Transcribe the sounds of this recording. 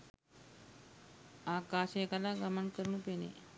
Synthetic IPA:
akaɕekalaɡəməɳkəɾɳũːpenḛ

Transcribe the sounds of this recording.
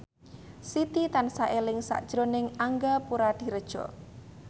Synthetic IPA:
sit̪it̪ansaʔelɪŋsa̰ʔd̥ʒ̥ɾonɪŋaŋɡapuɾad̪̥i̤ɾəd̥ʒ̥ɔ̰

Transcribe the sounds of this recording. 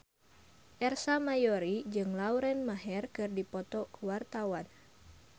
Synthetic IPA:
ʔɛrsamajoɾid͡ʒɨŋlauɾɛnmaɦɛrkɨrdipɔt̪ɔkuwart̪awan

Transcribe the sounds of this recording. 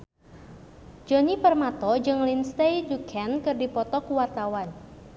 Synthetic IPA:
d͡ʒɔnipərmat̪ɔd͡ʒɨŋlinst̪ejdukʰɛnkɨrdipɔt̪ɔkuwart̪awan

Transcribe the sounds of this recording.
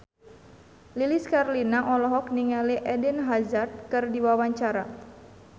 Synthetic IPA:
liliskarlinaʔɔlɔɦɔk̚niŋaliʔɛdinɦazart̪̚kɨrdiwawaɲt͡ʃaɾa̰

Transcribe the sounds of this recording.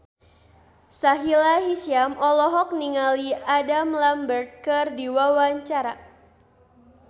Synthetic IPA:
saɦilaɦisiamɔlɔɦɔk̚niŋaliadamlambərt̪̚kɨrdiwawaɲt͡ʃaɾa

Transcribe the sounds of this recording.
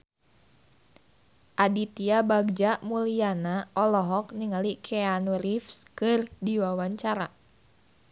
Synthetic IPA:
ʔadit̪iabaɡ̚d͡ʒamulianaʔɔlɔɦɔk̚niŋalikʰɛanuɾifskɨrdiwawaɲt͡ʃaɾa

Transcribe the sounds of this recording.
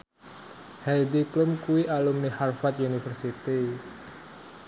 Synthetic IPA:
hajdiklʊmkuwiʔalumniharfat̪̚junifərsit̪i

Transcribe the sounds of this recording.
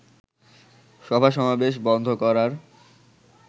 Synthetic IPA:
ʃɔbʱaʃɔmabeʃ̬bɔnd̪ʱokɔɾaɾ

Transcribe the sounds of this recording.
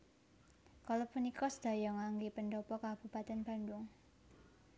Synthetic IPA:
kalɔpunikɔsəd̪̥a̤jɔŋaŋɡepənɖɔpɔkab̥ṳpat̪ɛnb̥a̤ndʊŋ

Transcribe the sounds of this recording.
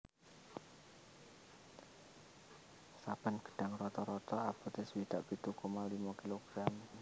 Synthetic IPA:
sab̥anɡ̥ə̤̥ɖ̥a̤ŋrɔt̪ɔɾɔt̪ɔaput̪ɪswid̪̥aʔpit̪ukomalimakiloɡ̥ɾam

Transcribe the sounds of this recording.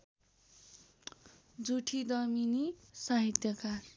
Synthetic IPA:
d͡zuʈʰid̪ʌminisaɦit̪jʌkar

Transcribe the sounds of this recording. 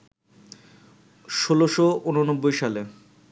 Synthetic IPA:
ʃoloʃounonobːojʃale

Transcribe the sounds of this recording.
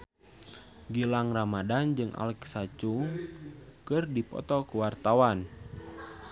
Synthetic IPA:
ɡilaŋramadand͡ʒɨŋʔa̰lɛksat͡ʃuŋ | kɨrdipɔ̰t̪ɔkuwart̪awan

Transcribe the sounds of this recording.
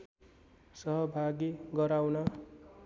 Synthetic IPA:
sʌɦʌbʱaɡiɡʌɾawna

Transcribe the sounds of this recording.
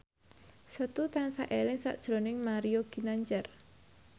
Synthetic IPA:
sət̪ut̪ansa̰ʔelɪŋsa̰ʔd̥ʒ̥ɾo̤nɪŋmaɾioɡ̥i̤naɲt͡ʃər

